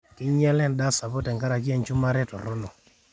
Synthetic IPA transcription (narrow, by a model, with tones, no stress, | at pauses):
kɪ˦ɲɛ˦lɛ˦n˦da˦sa˨bɔ˦tɛ˨ŋka˦ɾa˨k̬ɪ˦ɛ˨nt͡ʃu˦ma˦ɾɛ˦tɔ̰˨ɾʊ˦no˨